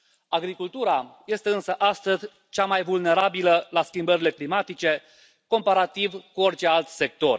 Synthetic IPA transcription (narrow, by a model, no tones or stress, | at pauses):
aɡɾikult̪uɾaje̞st̪e̞ɨnsəʔast̪əzʲ | t͡ʃamajvulne̞ɾabiləlaskʲimbəɾile̞klimat̪it͡ʃe̞ | ko̞mpaɾat̪ivkuo̞rt͡ʃe̞alt̪se̞k̚t̪o̞r